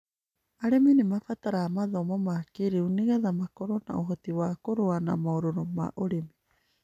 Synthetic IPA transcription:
aɾeminimafataɾaːmaðomomakiɾiuniɣaðamakoɾona̰oɦotiwakoɾoana̰mawɾoɾoma̰ʔoɾemi

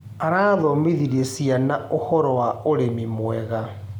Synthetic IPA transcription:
aɾaːðɔmiðiɾiesianaohɔɾɔwaoɾemimwɛɣa

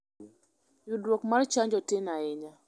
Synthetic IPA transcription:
judwokmart͡ʃaɲd͡ʒɔtɪnaɪɲa

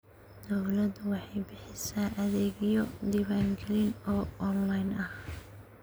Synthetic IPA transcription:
d̪ɔwlɐd̪wɑħɑjbɪħɪsaːʔɐðɛːɡijɔd̪iːβaːŋɡʰɛlɪnɔːɔnlɐjnɐh

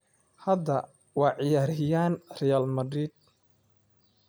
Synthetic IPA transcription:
hɐd̪ɐ | wɑːʕɪjaːɾɦɪjaːnrɛjaːlmɐd̪ɾiːd̪̚

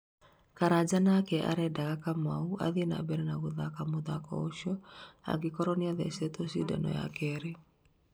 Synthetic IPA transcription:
kaɾad͡ʒanakɛʔa̰ɾɛdaɣakamaua̰ðina̰bɛɾɛnaɣoðakamoðakɔ̰oʃɔa̰ɡikɔɾɔniaðɛ̰sɛt̪osida̰nɔ̰ja̰kɛɾe

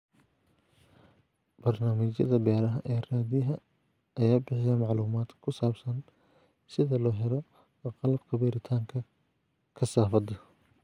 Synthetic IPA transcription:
b̥ɐrnaːmɪt͡ʃjɐ̰ðɐbɛːɾɐɦɐʔɛːraːðɪɐɦɐ | ɐjaːbɪħɪjɐmɑʕluːmaːd̪ʰkʰʊsaːbsɐn | sɪðɐlɔːɦɛlɔ | qɑlɐbkʰɐbɛːɾɪt̪ʰaːŋkʰɐ | kʰɐsaːfɐd̪ɐ

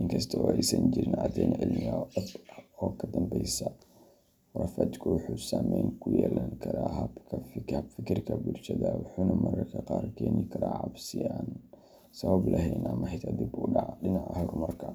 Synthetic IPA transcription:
ʔɪŋkʰɐst̪ʰɔɔːɛjsɐɲd͡ʒɪɾɪnɐd̪ɛnʔɐʕɪlmɪɐɐd̪ɔːkʰɐd̪ɐmbɛjsɐ | wrɐfɐt͡ʃkʰʊwʊħuːsaːmɛjŋkʰʊjɛːlaŋkʰɐɾaːɦɐbkʰɐfɪhɐbfɪkʰɪrkʰɐbʊlʃɐðɐwʊħuːnɐmɐɾɐkʰɐqɑːrkʰɛːnɪkʰɐɾaːʕɑbsɪaːn | sɐβɐblʔɐɦɛjnɐmɐhɛt̪ʰad̪ɪbʊːɖɑʕɖɪnɑʕɐɦɐɡmɐrkʰɐ

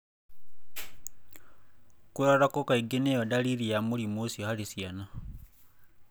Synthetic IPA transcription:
kuɾaɾakokaiɡenejodaliɾijamulimusihalisjana

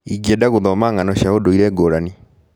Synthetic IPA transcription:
iɡiɛdaɣoðɔmaŋanɔɕjaodoiɾɛɡoɾani

